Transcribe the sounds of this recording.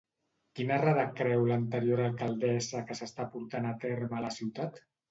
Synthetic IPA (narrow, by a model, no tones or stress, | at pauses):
kinəraðəkɾɛwlənt̪əɾjoɾalˠkalˠd̪ɛzəkəsəst̪apuɾt̪anat̪eɾmələsiwt̪at̪